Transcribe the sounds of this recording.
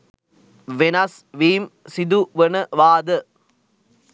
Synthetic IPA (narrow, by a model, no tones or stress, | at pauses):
ʋenɐs | ʋiːmsid̪uʋənəʋaːd̪ə